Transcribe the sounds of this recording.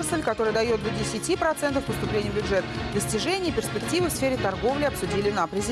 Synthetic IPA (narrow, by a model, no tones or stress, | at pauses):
sʲəlʲkɐt̪o̞ɾəjəd̪ɐjo̞t̪̚d̪ədʲɪsʲɪtʲipɾɐt̪sɛnt̪əfpəst̪ʊplʲenʲɪjəvbʲʊʐɛt̪ | d̪əsʲtʲɪʐɛnʲɪjəpʲɪrspʲɪktʲivɨfsfʲeɾʲɪt̪ɐrɡo̞vlʲɪɐpsʊdʲilʲɪnapɾʲɪzʲɪ